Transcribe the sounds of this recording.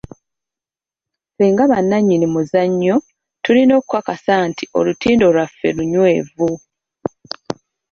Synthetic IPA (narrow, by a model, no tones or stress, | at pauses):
seːŋɡaβanːaɲːinimuzaɲːo̞ | tulino̞ːkwakasantʰiʔo̞̰lutiːndo̞lwafːe̞̰luɲwe̞ːvu